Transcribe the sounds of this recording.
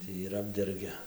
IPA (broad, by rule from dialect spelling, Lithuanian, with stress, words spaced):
ˈtʲiː ɪr ˈɑːbʲdʲɛrʲɡʲɛ